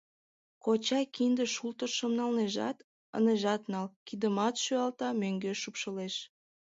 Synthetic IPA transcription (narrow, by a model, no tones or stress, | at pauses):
kot͡ɕɑkind̪əʃult̪əʃəmnɑlneʒɑ̰t̪ | ə̰neʒɑt̪nɑlkid̪əmɑt̪ʃyɑlt̪ɑmøŋɡeʃupʃəleʃ